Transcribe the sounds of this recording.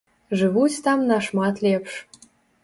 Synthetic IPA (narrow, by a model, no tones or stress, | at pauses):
ʒɨβut͡sʲt̪ɑmnɑʃmɑt̪lʲepʃ